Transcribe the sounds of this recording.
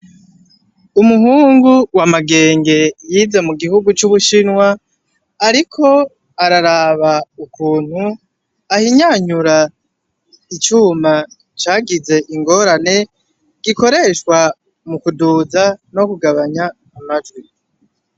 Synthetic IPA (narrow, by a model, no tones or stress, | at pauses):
umuɦuːŋɡuwamaɡe̞ːŋɡe̞jiːze̞muɡihuɡut͡ʃuβuʃinwaː | ɾikʰo̞ | aɾaɾaβaukuːn̥hu | ahiɲaɲuɾa | it͡ʃuːma | t͡ʃaːɡize̞ʔiŋɡo̞ːɾane̞ | ɡ̥iko̞ɾe̞ːʃkwa | mukuduːzano̞kuɡaβaɲaː | mad͡ʒwi